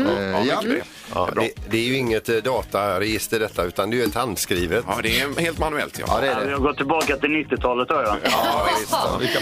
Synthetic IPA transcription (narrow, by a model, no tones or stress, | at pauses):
ɑ̰ːɛd̪ɛæɾjɵɪŋːət̪d̪ɑːt̪ajɑɾɛjɪst̪əɖɛt̪ːaʉ̟ːt̪and̪ɛːjɛt̪hand̪skɾiːvət̪ːd̪ɛheːlt̪manʉɛ̰lt̪ʰjɑ̰dɛdɛɪhaɡɔt̪ʰːɪlbɑːkat̪ɪlnɪt̪ːɪt̪ʰɑːlət̪ɔɾjaɪst̪ɪ